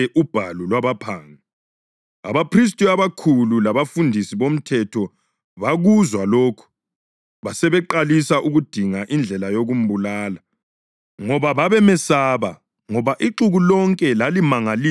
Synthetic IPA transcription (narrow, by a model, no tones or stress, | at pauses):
ɛʔub̥ʱalulwaβapʰaːŋi | a̰βapʰris̬tʼiaβakʰululaβafundʱisiβom̩tʰɛtʰɔ | βaɣuzwaloːkʰu̥ | βasɛβɛǃalisaʔuɣud̥ʱiŋaʔind͡ɮʱɛlajoɣum̩bulaːla | ŋɔβaβaβɛmɛsaːβa | ŋɔβaʔiǁuɣulɔŋkʼɛlalimaŋali